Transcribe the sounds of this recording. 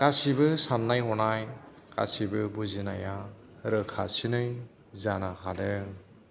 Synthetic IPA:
kasibɯsanːajɦɔnaj | ka̰sibɯbuzina̰ja | ɾɯkʰasinɯj | zanahadɯ

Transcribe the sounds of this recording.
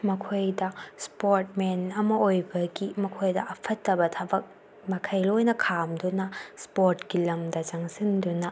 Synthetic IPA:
mɐkʰojdɐspoɾtmenɐmɐojbɐɡimɐkʰojdɐʔɐpʰɐtːɐbɐtʰɐbɐk̚ | mɐkʰɐjlojnɐkʰamdunɐspoɾtɡilɐmdɐzaŋsindunɐ

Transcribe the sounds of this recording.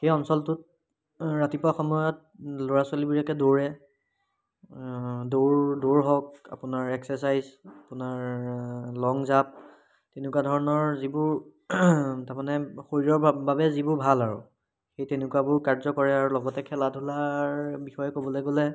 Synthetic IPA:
xejɔnsɔltʊt̚ | ɹatipaxɔmɔjɔt̚loɹasalibiɹakɛdoɹɛ | doɹdoɹɦɔk̚a̰pʊnaɹɛksɛs̬ajzapʊnaɹ | lɔŋzap̚ | tenʊkwadʱɔɹɔnɔɹzibʊɹ | taɹmanɛxoɹiɹɔɹbabɛzibʊɹbʱalaɹṵ | xejtenʊkuwabʊɹkaɹzɔkɔɹɛaɹulɔɡɔtɛkʰɛladʱulaɹbixɔjɛkobɔlojɡolɛ

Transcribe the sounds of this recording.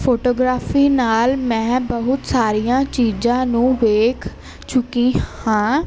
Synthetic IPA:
pʰoːʈoːɡɾaːpiːnaːlmɛ̃ːbəɦʊt̪saːɾijãːt͡ʃiːzãːnũːʋeːkʰ | t͡ʃʊkiːhãː

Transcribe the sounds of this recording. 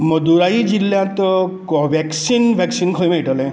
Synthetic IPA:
mɔd̪uɾaid͡ʒilːat̪ɔkɔbʱɛksinbʱɛksinkʰɔjmajʈɔle

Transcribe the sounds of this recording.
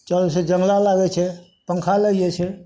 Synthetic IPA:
t͡ʃəlsʰed͡ʒəŋlalaɡɛt͡ʃʰe | pəŋkʰaləet͡ʃʰe

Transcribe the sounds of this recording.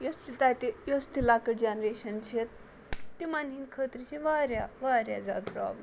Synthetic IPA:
jɐst̪it̪ajt̪ijost̪ilakəʈd͡ʑanɾeɕɐnt͡ɕʰet̪̚ | t̪ːimanɦiːnkʰət̪ɾit͡ʃʰiʋaɾjaʋaɾja̰d͡za̰d̪pɾɔ̰ːbləm

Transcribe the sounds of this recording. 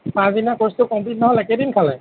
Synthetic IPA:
pãzinakɔstʊkɔmplitnɔɦɔlɛkɛdinkʰalɛ

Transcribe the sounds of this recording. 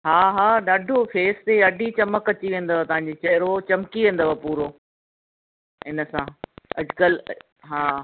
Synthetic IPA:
ɦaːɦaːɗaːɖʱofeːst̪eɐɖʱit͡ɕɐməkɐt͡ɕiʋẽːn̆d̪əʋat̪ɐʋɦãɲd͡ʑeːt͡ɕɐɦɪɾot͡ɕɐmkiʋẽːnd̪əʋəpuːɾoː | ɦɪnə̆sãːɐd͡ʑkəl | ɦaː

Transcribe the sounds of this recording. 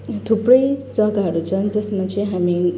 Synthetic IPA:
t̪ʰuprʌjd͡zʌɡaɦʌɾut͡sʰʌnd͡zʌsmat͡sʌĩɦami

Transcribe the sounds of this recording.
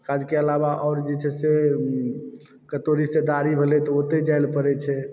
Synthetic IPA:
kad͡ʒkeəlaβaʔɔʊɾd͡ʒɛt͡ʃʰɛse | kət̪oɾised̪aɾibʱelɛt̪ɔot̪ed͡ʒajlpəɾɛt͡ʃʰɛ

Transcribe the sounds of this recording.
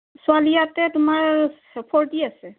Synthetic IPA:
sualijatɛtʊmaɹ | pʰɔɹdiasɛ

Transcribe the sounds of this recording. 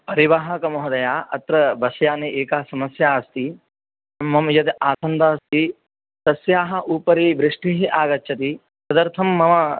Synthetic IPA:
pɐɾiʋaːɦɐkɐmɐɦɐd̪ɐjaːʔɐt̪ɾɐbɐsjaːniʔeːkaːɦsɐmɐsjaːɐst̪i | mɐmjɐd̪aːsɐnd̪aːɐst̪i | t̪ɐsjaːɦɐ̆ʔuːpɐɾiːbɾɪʂʈiɦiʔaːɡɐtːt͡ʃʰɐt̪i | sɐd̪ɐɾt̪ʰɐmːɐmɐ

